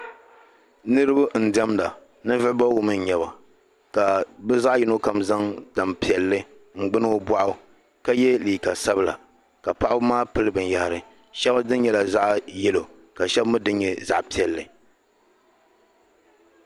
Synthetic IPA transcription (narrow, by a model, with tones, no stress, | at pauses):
nɨ˦ɾɨ˦bɨ˦n̩˨dɛ˦mda˨ | nɨ˦vɪ˦ʔba˦wʊ˨mɨ˦n˨ɲɛ˨ba˨ | ka˨bɨ˦za˦ʔjɪ˦no˦ka˨mza˦ŋda˨mpi˨ɛ˨lːɨ˦ | ŋ͡m̩˨ɡ͡bɨ˦n˦o˦ba˦ʔʊ˦ | ka˦jɛ˦liː˨ka˨sa˦bɨ˦la̰˨ | ka˨pa˦ʔa˦bmaː˦pɨ˦lɨ˦bɨ˨n˨ja˨ha˨ɾɨ˨ | ʃɛ˦ba˦dɨ˦nɲɛ˨la˨za˦ʔjɛ˦lo˨ | ka˨ʃɛ˦bmɨ˦dɨ˦ɲɲɛ˨za̰˦ʔpi˨ɛ˨lːɨ˨